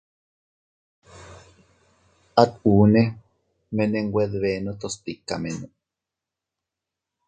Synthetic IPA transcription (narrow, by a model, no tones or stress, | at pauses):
at̪uːne | meneŋɡwʷeðβeːnot̪ost̪ikːa̰menu